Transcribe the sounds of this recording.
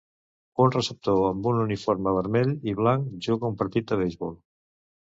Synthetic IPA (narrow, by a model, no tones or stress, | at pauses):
unrəsəp̚t̪oəmbununifoɾməβəɾmɛʎiβlaŋkʒuɣəumpəɾt̪it̪̚d̪əβejzβɔlˠ